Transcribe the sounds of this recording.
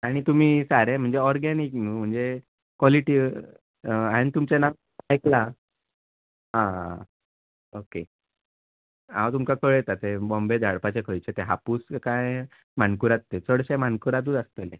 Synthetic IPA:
aɽ̃it̪um̤iːsaɾem̤əɳd͡zeɔɾɡaniknum̤əɳd͡ze | kʋɔliʈiː | aɽ̃it̪umt͡ɕenaw | ajkla | ɦã | oke | ã̰wt̪umkakʰəɭjet̪at̪ebɔmbed͡z̪ʱaɽpat͡ɕekʰəjt͡ɕet̪eɦapuːskaj | m̤ankuɾat̪ːet͡səɽɕẽmankuɾat̪̬ud͡zast̪elḛ

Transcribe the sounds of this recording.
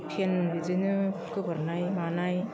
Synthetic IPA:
tʰendizɯnɯkɯbɯɾnajmanaj

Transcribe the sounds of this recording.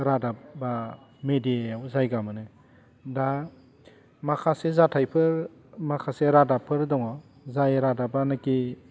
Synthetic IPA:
ɾadabamediaawzajɡamɯnɯ | da | makʰasezatʰajpʰɯɾ | makʰaseɾadapʰɯɾdɔŋɔ | zajɾadabanɯki

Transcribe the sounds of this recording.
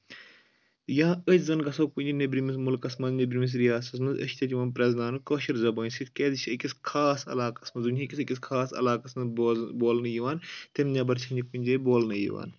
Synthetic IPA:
jãːət͡ʃʲzɐnɡɐsɐːkunʲd͡ʒinebɾimis̬mulkɐsmɐnznebɾimis̬ɾijaːsɐs̬mɐnzɐ̰ʃt̪ɐtʲiʋɐnpɾʲɐznaːnɨkoːʃiɾzɐbɐːnʲsit̪keːd̪it͡ʃʰʲəkʲiskʰaːsɐ̰laːkɐsmɐnzunʲikʲisikʲis̬kʰaːsɐ̰laːkɐsmɐboboːlnɐjiʋaːnt̪emɲʲaːbɐɾt͡ʃʰɐnikunʲd͡ʒeːboːlnɐjḭʋa̰ːn

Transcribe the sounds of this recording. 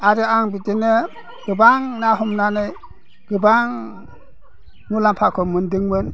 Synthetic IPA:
aɾɯaŋbitɯnɯ | ɡ̥ɯbaŋnaɦumnanɯj | ɡ̥ɯbaŋ | ŋulampʰakʰɯmɯndɯŋmɯn

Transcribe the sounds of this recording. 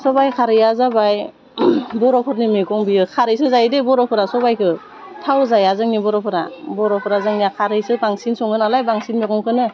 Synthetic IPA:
sɔbajkʰaɾɯjazabaj | bɔɾɔpʰɯɾnimeɡɔŋbijɯkʰaɾɯjsɯzajdebɔɾɔpʰɯɾasɔbajkʰɯ | tʰawzajazɯŋnibɔɾɔpʰɯɾa̰bɔɾɔpʰɯɾazɯŋijakʰaɾɯjsɯbaŋsinsɔŋɡɯnalajbaŋsinmekʰɔŋkʰɯnɯ

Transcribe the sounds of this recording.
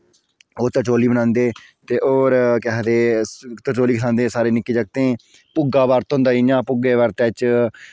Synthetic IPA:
oːt̪ət͡ʃoːliːbənãːnd̪eː | t̪eːʔoːɾkɛɦd̪eːt̪ət͡ʃoːliːkəsãːnd̪eːsaːɾeːnɪkːiːd͡ʒəɡ̚t̪ẽː | pʊɡaːbaːɾt̪ːʊ̃nd̪aːiɲãːpʊɡeːʋəɾt̪et͡ʃ

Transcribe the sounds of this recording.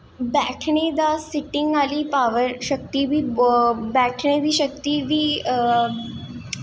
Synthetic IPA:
bæʈʰɳed̪asiʈiŋɡaliːpaʋəɾɕək̚t̪iʋiːbæʈʰɳebʱiːɕək̚t̪iʋiː

